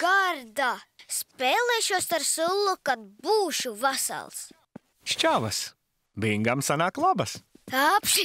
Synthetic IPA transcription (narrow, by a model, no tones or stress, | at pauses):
ɡ̥aɾd̪aspeːlˠeːʃuɔst̪aɾsulˠːukad̪̚buːʃuvasa̰lˠs | ʃt͡ʃavɐs | biŋɡamsanaːklˠɔbɐsapʃi